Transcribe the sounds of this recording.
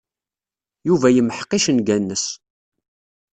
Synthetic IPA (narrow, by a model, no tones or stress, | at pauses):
juvæjəməħə̥qːiʃənɡænːəs